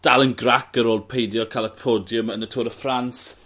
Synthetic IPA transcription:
d̥alˠənɡrakəɾoːlˠd̚pʰejdjɔkʰalˠəpʰoːdjʊmənətʰoːɾəfrans

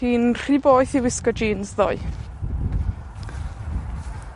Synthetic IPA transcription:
iːnr̥iboːɨθiwɪskɔd͡ʒiːnzðo̰ɨ

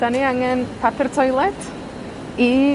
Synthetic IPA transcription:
d̥aniaŋɛnpʰapʰɛrtʰɔjlˠɛd̥ | i

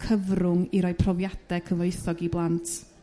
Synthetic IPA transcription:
kʰəvrʊŋiɾɔjpʰrɔvjad̥ɛkʰəvɔɨθɔɡiblˠantʰ

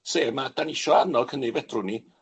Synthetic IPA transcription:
seːmad̥anɪʃɔanɔlˠkʰənːevɛd̥rʊni

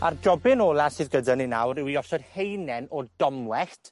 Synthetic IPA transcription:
ardrɔbɪnoːlˠasɨːðɡədənɪnawrɪwiɔsɔd̥hejnɛnɔdɔmlˠɛɬtʰ

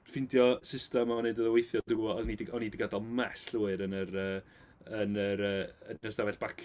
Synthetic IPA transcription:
fɪndjɔsɪstɛmɔɔnɨdoðɔwejθjɔdɪɔɔðnidɪɔnidɪɡadɔlˠmɛsɬuːɨɾənəɾəː | ənəɾəːəəsdavɛɬb̥akʰ

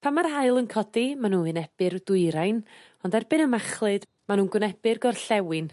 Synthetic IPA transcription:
pʰamaɾhajlˠənkʰɔdimanuːɨnɛb̥ɨɾdʊɨɾajn | ɔndarbɨnəmaχlˠɨd | manuːnɡwɪnɛb̥ɨrɡɔrɬɛwɪn

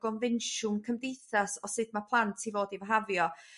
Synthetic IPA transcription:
ɡ̥ɔnvɪnʃʊmkʰəmdejθasɔsɨd̚mapʰlˠantʰivoːdivaɦavjɔ

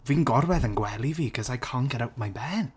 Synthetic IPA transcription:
viːnɡɔrwɛðənɡwɛlˠiviːkʰɔzajkʰɔŋɡɛɾawtmajbɛːn

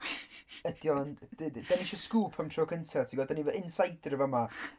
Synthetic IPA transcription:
əd̥jɔnd̥dd̥ɛniʃɔskuːpʰəmtʰroːkʰəntʰɛtʰiɡɔdənivʔɪnsajdrəvama

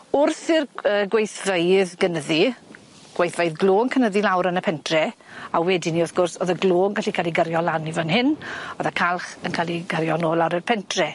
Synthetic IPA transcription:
ʊrθɪrəːɡwejθvejðɡənəði | ɡ̥wejθvejðɡloːŋkʰənəðilawɾənəpʰɛntʰrɛ | awɛdiniʊrθɡ̥ʊrsoðəɡloːnɡaɬikʰaːlˠiɡəɾjɔlˠanivənhɪnoːðakʰalˠχənkʰaːliɡəɾjɔnoːlˠaɾərpʰɛntʰrɛ

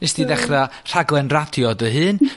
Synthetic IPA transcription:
nɪsd̥iðɛχra | r̥aɡlˠɛnradjɔdəɦɨːn

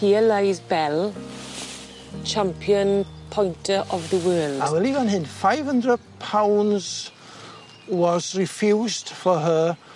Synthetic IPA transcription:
iəlajzbɛl | t͡ʃʰãmpʰjə̃npʰɔ̃j̃ntʰəʔɔvðəwɜːlˠdḁwɛlˠivanɦɪnfaɪv̥hə̃ndrəd̚pʰawnz̥ | wɔzrɪfjuːzd̥fɔɦə

